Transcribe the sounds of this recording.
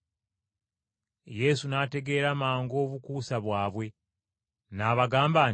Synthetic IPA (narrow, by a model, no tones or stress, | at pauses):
je̞sunaːte̞ɡe̞ːɾamaːŋɡo̞ːβukuːsaβwaːβwe̞ | naːβaɡaːmbaː